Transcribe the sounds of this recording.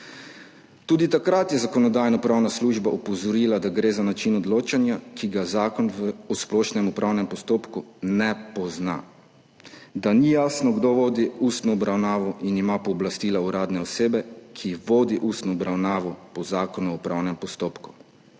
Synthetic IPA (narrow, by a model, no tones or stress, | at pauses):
t̪uːd̪it̪akɾat̪jɛzakɔnɔd̪aːjnɔpɾawnasluːʒbaʔupɔzɔɾiːlad̪aɡɾeːzanat͡ʃinɔd̪loːt͡ʃanjakʰiɡazaːkɔnʋɔsplɔːʃnɛmupɾʔawnɛmpɔst̪oːpkunɛpɔzna̰ | d̪anijaːsnɔɡd̪oʋoːd̪iust̪nɔːbɾawnaːʋɔʔinimapɔːblast̪iːlauɾaːd̪nɛɔseːbɛkʰiʋoːd̪iʔust̪nɔːbɾawnaːʋɔpɔzaːkɔnuɔpɾawnɛmpɔst̪oːpku̥